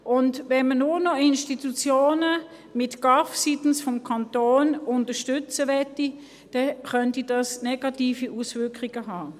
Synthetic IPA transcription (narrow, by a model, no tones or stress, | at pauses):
ʔʊntvɛnmənʊnɔɪnʃtitut͡sjoːnə | mɪtɡ̥ɑfsitn̩sfɔmkʰɑntoːnʊntəʃtʏt͡səʋɛti | d̥ɛχœntidɑsnɛɡ̥ɑtiːfiʔusvʏɐkʁiɡ̥əɦaː